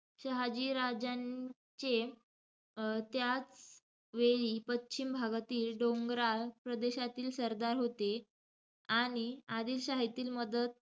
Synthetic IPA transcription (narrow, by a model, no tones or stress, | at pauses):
ɕəɦad͡ʑiːɾad͡ʑa | t͡ɕe | t̪jat͡s | ʋeɭiːpətːɕimbʱaɡat̪iːlɖoŋɡɾaɭpɾəd̪eɕat̪iːlsəɾd̪aɾɦot̪e | aɽ̃iad̪iːlɕaɦit̪iːlməd̪ət̪̚